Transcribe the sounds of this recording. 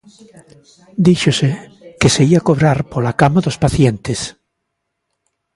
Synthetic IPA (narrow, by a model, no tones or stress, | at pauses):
d̪iʃosekeseiakoβɾaɾpolakamaðo̞spaθjent̪es